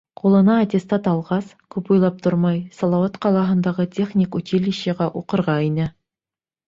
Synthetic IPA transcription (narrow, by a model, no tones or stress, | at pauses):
qulˠɤ̆nɑːt̪ʲest̪ɑt̪ɑlˠʁɑs | kʉpujlˠɑp̚t̪ʰoɾmɑjsɑlˠɑwɑt̪qɑlˠɑɦɤ̆nd̪ɑʁɤtʲeχnʲikut̪ʲiliɕĕʁæʔuqɤ̆ɾʁɑinɘ